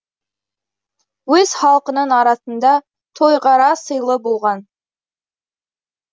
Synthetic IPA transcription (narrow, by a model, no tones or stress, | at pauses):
wɵz̥χɑlˠqənənɑɾɑsənd̪ɑ | t̪ʰo̞jʁɑɾɑsəjlˠəbolˠʁɑn